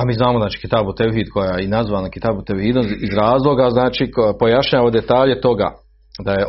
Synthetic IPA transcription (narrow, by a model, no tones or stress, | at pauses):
amiːznaːmoznaːt͡ʃi̥ːkit̪abut̪ewuɦiːd̪kojainazʋaːnakit̪abut̪ewhiːd̪oizɾaːzlˠo̞ɡaznaːt͡ʃikpo̞jaʃɲaːʋod̪e̞t̪aːʎe̞t̪o̞ɡa̰ | d̪aje